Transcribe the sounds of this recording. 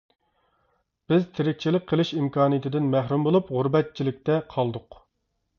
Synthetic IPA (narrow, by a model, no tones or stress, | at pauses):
b̥ɪzt̪ʰeɾɪk̚ʲt͡ʃʰilɪk̚ʲqʰəlˠɨʃimkɑːnɨjt̪ʰɪd̪ɪnmæhɾumbolˠupʁʊɾbɛt̪̚t͡ʃʰilɪk̚ʲt̪ɛqʰɑlˠd̪ʊq